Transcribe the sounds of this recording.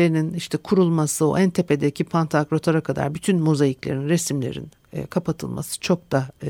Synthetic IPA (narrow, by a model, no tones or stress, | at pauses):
eininiʃt̪ʰɛkʰuɾulˠmasɯo̰ʔænt̪ʰe̞pʰe̞d̪ɛicʰipʰant̪ʰakɾo̞t̪ʰaɾakʰad̪a̰ɾbyt̪ʰynmozajiclʲe̞̰ɾinɾesimlʲḛɾḭn̰ | kʰapʰat̪ʰɯ̰lˠma̰sɯ̥t͡ʃʰo̞k̚d̪a